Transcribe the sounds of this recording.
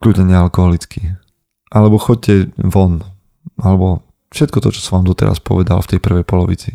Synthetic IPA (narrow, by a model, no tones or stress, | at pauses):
kluːɟɲɛɲɛalkɔɦɔlit͡ski | ʔalɛbɔxɔc̚cɛʋɔn | ʔalɛbɔ | fʃɛt̪̚kɔt̪ɔt͡ʃɔ̥sɔ̃ʋaːmd̪ɔt̪ɛ̰ɾa̰spɔ̰ʋɛd̪a̰lft̪ɛjpr̩ʋɛjpɔlɔʋḭt͡si